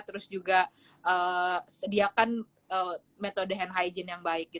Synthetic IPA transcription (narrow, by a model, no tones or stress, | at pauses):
t̪əɾʊsd͡ʒuɡa | ʔəːsədiakan | əː | met̪odəɦɛnɦajd͡ʒənjaŋbaɪk̚ɡit̪